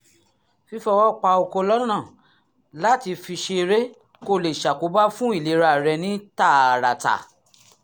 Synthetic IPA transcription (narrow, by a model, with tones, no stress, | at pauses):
fi˦˧fɛ˧wɔ˦k͡pa˧o˧ko˧lɔ˦nã˦˨ | la˦ti˧fi˧ʃe˧ɾe˦ | ko˧˨le˨ʃa˨ko˨˦ba˦fũ˦i˦˨le˨˦ɾa˧˨ɾɛ˧nĩ˦ta˦˨a˨ɾa̰˨ta̰˨